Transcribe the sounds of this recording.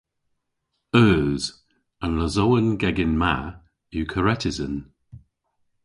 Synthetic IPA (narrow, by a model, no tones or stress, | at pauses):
œːz | ənləzowənɡɛɡɪnma | jukʰəɹɛtʰɪzən